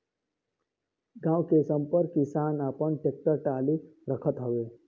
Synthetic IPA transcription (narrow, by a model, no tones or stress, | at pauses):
ɡãwkesəmpəɾkisanapəɳʈek̚ʈəɾʈaliɾəkʰət̪ɦoʋe